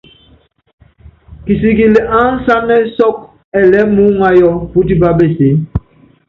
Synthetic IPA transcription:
ki˨si˨ɡi˨le˨ʔa˦n̩˦sa˦nɛ˦sɔ˦k̚ | ɛ˨lɛ˨˦mu˦ŋa˦jɔ˦pu˦ti˦ba˦be˨se˨˦

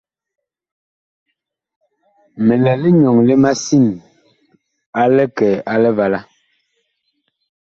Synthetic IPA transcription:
mɛ˨lɛ˨le˦ɲɔ˨ŋle˦ma˦si˦˨n | a˦lɛ˦kɛː˨ʔa˦lɛ˦va˨la˦

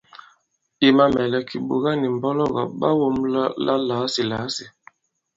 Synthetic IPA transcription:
i˨ma˦mɛ˨lɛ˨kʰi˨ɓo̰˨ɣa˦ni˨m˨bɔ˦lɔ˦ɣa̰˨ɓa̰˦wo˦mllʔa˦la˨˦si˨la˨˦si˨

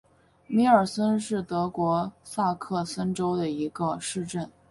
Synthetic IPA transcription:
mi˧˥ə˞˨˩sə˥nʂɻ̩˥˩t̪ɤ˧˥kwɔ˧˥sa˥˧kʰɤ˥˩sə˥nʈ͡ʂo˥ʊd̪ə˨i˧˥ɡə˧ʂɻ̩˥˧ʈ͡ʂə˥˩n

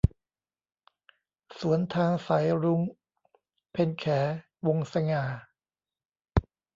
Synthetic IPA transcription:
su˩˦ənt̪ʰaː˧ŋsa˩˦jɾu˧ŋ | pʰe˧nkʰɛː˩˦ | wo˧ŋsa˧ŋaː˨˩

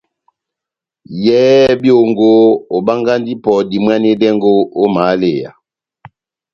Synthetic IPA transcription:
jɛ˦bjo˦˨ŋɡo˦o˨ba˦ŋɡa˦ndi˦pɔ˨di˨mwa˦ne˦dɛ˦ŋɡo˦o˦ma˨˦le˦˨ja̰˨

